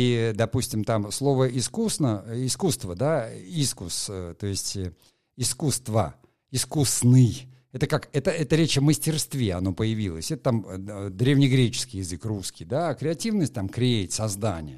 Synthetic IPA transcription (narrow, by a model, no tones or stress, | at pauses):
id̪ɐpusʲtʲɪmt̪amslˠo̞vəɪskusnəɪskust̪vəd̪aiskust̪o̞ɪsʲtʲ | ɪskust̪və̰ | ɪskusnɨj | ɛt̪əkakɛt̪əɛt̪əɾʲet͡ɕɐməsʲtʲɪrst̪vʲeɐno̞pəjɪvʲilˠəsʲɛt̪ət̪amd̪ɾʲevnʲɪjɡɾʲet͡ɕɪ̥skʲɪjɪzɨkruskʲijd̪akɾʲɪɐtʲivnəsʲt̚ʲt̪amkɾʲetʲsɐzd̪anʲɪ̰jə